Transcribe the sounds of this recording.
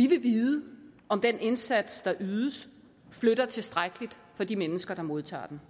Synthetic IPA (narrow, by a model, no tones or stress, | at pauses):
ʋiʋe̝ʋiːðˠəɒ̽md̥ene̝nsæd̥sd̥ɑ̈ʔyːðˠəs | fløɾ̥ɐt͡sʰe̝sd̥ʁaɡ̥əlid̥ | fɒ̽d̥imenəsɡ̥ɐɾ̥ɑ̈mo̝ð̞ˠt͡sʰɑ̰̈ːd̥en